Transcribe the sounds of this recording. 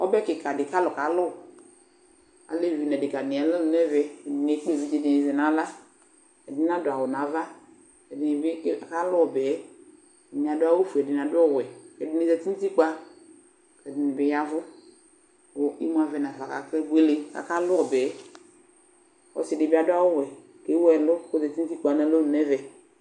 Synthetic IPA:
ɔ̰˦bɛ˦kɪ˨ka˨dɪ˨ka˦lɔ˨ka˨˦lɔ˦˨ | a̰˨le˦˨vi˨nɛ˨dɪ˨ka˨ni˨a˨˦lɛ˦lnɛ˦vɛ˦ɛ˨dɪ˨n˨e˨˦k͡pe˦˨vi˦d͡ʒe˨di˨ni˨zɛ˨na˨˦la˦ | ɛ˨dɪ˨˦na˦dʊ˨a˨wɔ˨na˨˦va˦ | kɛ˨dɪ˨nɪ˨bka˦lɔ˦ɔ˨bɛ˨˦ | ɛ˨nĩ˨a˨dʊ˦a˦wo˦fu˨ɛ˨dɪ˨n˨a˨dʊ˦ɔ˦˨wɛ˨kɛ˨dɪ˨ni˨zɛ˨ti˦n˦ti˦k͡pa˦ | kɛ˨dɪ˨nɪ˨bɛ˨˦ja˦vʊ˦ | o˨i˦m˦a˨vɛ˨na˨va˨ka̰˨kɛ˦ɡʷe˦le˦ka̰˨ka˦lʊ˦ɔ˨bɛː˨˦ | ɔ̰˦sdɪ˨bi˦a˦dʊ˦a˦wo˦wɛ˨ | ke˨˦wɛ˦˨lʊ˦ko˦zɛ˨ti˦ti˦k͡pa˨na˦lo˦lu˨nɛ˦vɛ˨

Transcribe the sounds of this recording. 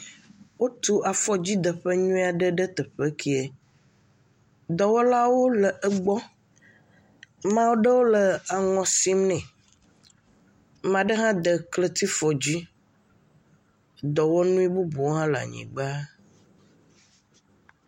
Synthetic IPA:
wo˦t̪u˦ʔa˨fɔ˨d͡ʑi˦d̪ə˨ɸə˦ɲũ˦a˨ɖə˦ɖə˦t̪ə˨ɸe˦kʰi˨e˨ | d̪ɔ˨wɔ˦la˦wo˦lə˨ʔə˦ɡ͡bɔ˦ | mã˦wo˦ɖə˦wo˦lə˨a˨ŋɔ̃˨si˦mnɛ̃˨ | m˨ã˨ɖə˦ɦã˦d̪ə˨klə˦t̪i˦fɔ˨d͡ʑi˦ | d̪ɔ˨wɔ˦nũ˦i˦bu˦bu˨wo˦ɦã˦la̰˨ɲḭ̃˨ɡ͡ba˦

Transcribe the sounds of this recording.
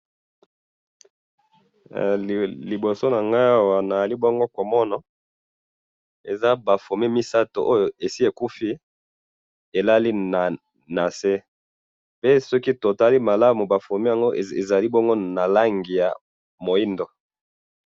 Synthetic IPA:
li˨bo˨so˦na˨ŋɡa˦a˦wa˨na˨a˨li˦bo˦ŋɡo˦ko˨mɔ˦nɔ˨ | e˨za˦ba˨fo˨mi˦mi˦sa˦to̰˨ʔo˦jo˨e˨si˦e˨ku˦fi˦ | e˨la˦li˦na˨ | na˨se˦ | pe˦sɔ˦ki˦to˨ta˦li˦ma˨la˦mu˨ba˨fo˨mi˦ja˨ŋɡo˦˨e˨za˨li˦bɔ˦ŋɡo˦na˨la˦ŋɡi˨ja˨ | mo˨i˦ndo˨

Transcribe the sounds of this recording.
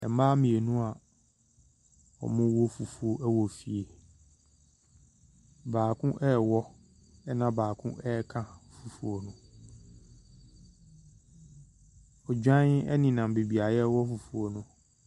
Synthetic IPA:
ɛ˨˦maː˦mĩ˨e˨nũ˦a˨ | ɔ̰˨mʊ̃˦wɔ˦fu˨fu˨o˨ʔɛ˦wɔ˨fi˨e˨ | baː˨kʰʊ̃˦ʔɛː˦˨wɔ˦ | ɛ˦nã˦baː˨kʰʊ̰̃˦ʔɛ˦kʰã˦fu˨fu˨o˨nʊ̃˦ | ɔ˨d͡ʑᶣã˦ʔɛ̰˦nɪ̃˨nã˨m˨be˨bi˨a˨jɛ˦wɔ˦fu˨fu˨o˨nʊ̃˦

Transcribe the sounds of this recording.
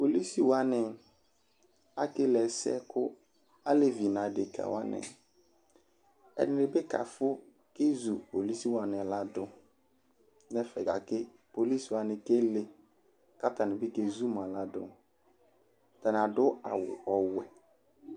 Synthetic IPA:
po˨li˦si˨wa˦nɪ˨ | a˦kɪ˦lɛ˨sɛ̰˦kʰʊ˦ | a˦le˦vi˨nã˨de˨kʰa̰˨wa̰˦nɪ̰̃˨ | ɛ̰˨nɪ˨ɾɪ˨˦bɪ˦ka̰˨fʊ˦ | ke˦zu˨po˨li˦si˦wa˨nɪ̃˨la˦dʊ˦ | nɛ˦fɛ˨ɡa˨kɪ˦ | po˨li˦swa˨nɪ̃˨ke˦lɪ˦ | ka˦ta˨nɪ̃˨bɪ˦ke˨zu˦mã˨la˦dʊ̰˦˨ | ta˨n˨a˨dʊ˦a̰˨wʊ̰˨ɔ˨wɛ˨

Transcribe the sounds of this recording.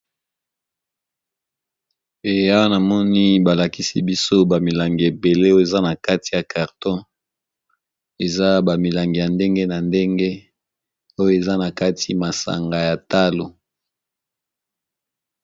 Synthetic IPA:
e˨a˦wa˦na˨mɔ˦ni˦ba˨la˨ki˦si˦bi˦so˦ba˨mi˨la˨ŋɡi˨e˨be˨le˦o˦e˨za˦na˨ka˦ti˨ja˨ka˨ʁtɔ̃˦ | e˨za˦ba˨mi˨la˨ŋɡi˨ja˨nde˦ŋɡe˦na˨nde˦ŋɡe˦ | o˦jo˦e˨za˦na˨ka˦ti˦ma˨sa̰˨ŋɡa˨ja˨ta˦lo˨

